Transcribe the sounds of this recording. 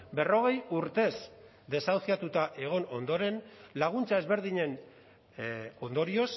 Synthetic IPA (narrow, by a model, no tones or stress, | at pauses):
be̞ro̞ɣ̞e̞juɾt̪e̞s | d̪e̞sawθiat̪ut̪aʔe̞ɣ̞o̞no̞nd̪o̞ɾe̞nlaɣ̞unt͡sae̞zβe̞ɾðiɲe̞n | o̞nd̪o̞ɾio̞s